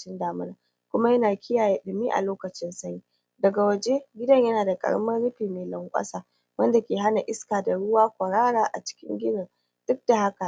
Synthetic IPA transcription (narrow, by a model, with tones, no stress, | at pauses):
t͡ʃɪ˦ndaː˨mʊ˦naː˦˨ | kʷʊ˦ma˦jɐ˦naː˨kʲʰɪ˦jaː˨je˦˨ʔɪ˨ɪ˨miː˦ʔa̰˨loː˦kɐ˨t͡ʃɪ˦nsɐ˦ɲiː˦ | dɐ˨ɡa˨wɐ˨d͡ʒe˦ɡʲɪ˦dɐ˦ɲjɐ˦naː˨da˨kʼɐ̰˨ɽmɐ˦nɽʊ˦ɸiː˨meː˨lɐ˨ŋkʷʼɐ̰˦saː˨ | wɐ˦nda˨kʲeː˨ɦa˦na˨ʔɪ˦skaː˨da˨ɽʊ˦waː˦kʷɐ˨ɽaː˦ɾaː˨ʔa̰˨t͡ʃɪ̥˦kʲɪ̰˦ŋɡʲɪ˦dɐ˨n | d̥ʊ˦k̚d̥a˨ha˦ka˨